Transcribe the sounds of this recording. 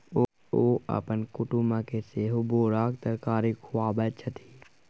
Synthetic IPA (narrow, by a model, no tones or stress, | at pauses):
o | oːə̰pənkʊʈumakeseːɦoboːɾaːk̚t̪əɾkaːɾikʰʊaːbət͡ʃʰət̪ʰi̥ː